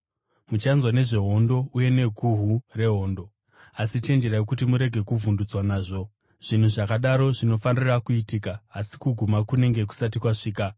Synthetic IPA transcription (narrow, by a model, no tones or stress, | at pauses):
mut͡ʃanzwane̞ʐe̞ɦo̞ndo̞uje̞ne̞ɡʱuɦure̞ɦo̞ːndo̞ | asit͡ʃe̞nd͡ʒe̞ɾajekut̬imuɾe̞ɡʱe̞kuvundud͡zwanaːʐo̞ | ʐ̥in̤uʐakaɗaɾo̞ʐino̞fanirakuitiːkaːsi̥kuɡʱumakune̞ŋɡe̞k̬u̥sat̬ikwaʂiːka